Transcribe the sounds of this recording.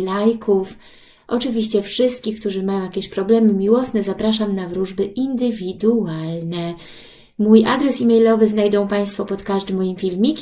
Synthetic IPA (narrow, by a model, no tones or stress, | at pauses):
lajkʰuf | ʔɔt͡ʂɘvʲiɕt͡ɕɛfʂɘst̪̚kʲixk̚t̪uʐɘmajɔ̃w̃jakʲeɛɕpɾɔblɛmɘmʲiwɔsnɛzapɾaʂamnavɾuʐbɘʔind̪ɘvʲid̪ualnɛ | mujʔad̪ɾɛsimʲɛjlɔvɘznajd̪ɔ̃w̃paj̃st̪fɔpɔt̪kaʐd̪ɘmːɔjimfʲilmʲikʲ